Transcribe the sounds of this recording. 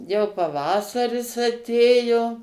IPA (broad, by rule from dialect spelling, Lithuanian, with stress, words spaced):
jɛʊ pɐˈʋɑːsɐrʲɪs ɐˈtʲeːjoː